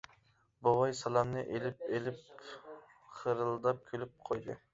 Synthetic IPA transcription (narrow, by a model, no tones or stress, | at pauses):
bɑwɑjsɑlˠɑmnɨʔelɪp̚elɪp | χəɾɨlˠd̪ɑp̚kʲʰølyp̚qʰojd̪ɨ̰